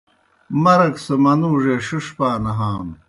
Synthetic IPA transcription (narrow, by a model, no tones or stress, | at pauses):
mɐɾɐksɐmɐnuːʐeɕuʂpaːnɐɦaːm